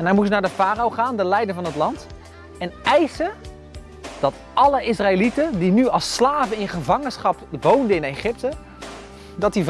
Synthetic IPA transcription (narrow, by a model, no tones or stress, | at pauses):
ɛnamutjənaːdəfaːɾowχaːndəlɛjdənvɑnɦətlɑnt | ɛnɛjsə | d̥ɑt | ʔɑləɪsraelitədinyɑlˠsːlaːvəɪnχəvɑŋənsχɑpʋowndəɪnejχɪp̚tə | dɑt̚dif